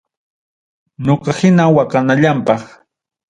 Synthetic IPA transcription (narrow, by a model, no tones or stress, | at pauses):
ɲoqɑhɪnawakanaʎampɑχ